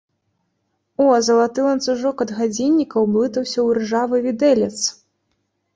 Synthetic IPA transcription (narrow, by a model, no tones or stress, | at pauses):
ɔzɐlˠat̪ɨlˠɐnt̪suʐɔkɐd̪ɣad͡zʲinʲːikɐwblˠɨt̪ɐwsʲɐwɾɨʐavɨvʲid̪ɛlʲɛt̪s